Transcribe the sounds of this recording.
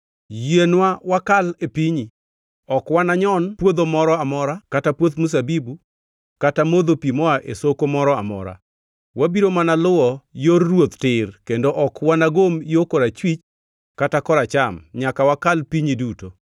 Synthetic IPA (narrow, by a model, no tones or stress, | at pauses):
jenwawakalepiɲi | ɔkwanaɲɔnpwod̪omɔɾɔamɔɾakatapwot̪mus̬abibu | katamod̪opimɔaʔesokomɔɾɔa̰mɔ̰ɾa̰ | wabiɾomanalʊwɔjorːwot̪tɪrkendoʔɔkwanaɡomjokɔɾat͡ʃwit͡ʃ | katakɔɾat͡ʃamɲakawakalpiɲiduto